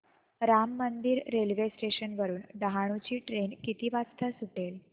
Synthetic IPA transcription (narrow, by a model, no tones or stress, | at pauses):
ɾamːənd̪iːɾːelʋesʈeɕənʋəɾuːnɖəɦaɽ̃ut͡ɕiːʈɾenkit̪iːʋat͡st̪ʰasuʈel